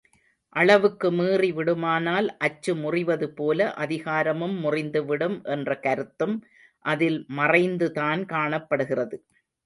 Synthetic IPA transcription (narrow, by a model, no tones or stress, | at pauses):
ʔɐɭɐʋɯkːɯmiːriʋɪɽɯmaːnaːlʔɐt͡ʃːɯmʊrɪʋɐðɯpoːlɐʔɐðɪɣaːɾɐmɯmːʊrɪnd̪ɯʋɪɽɯmʔɛndrɐkɐɾɯt̪ːɯm | ʔɐðɪlmɐrɐɪnd̪ɯt̪aːnkaːɳɐpːɐɽɯɣɪrɐðɯ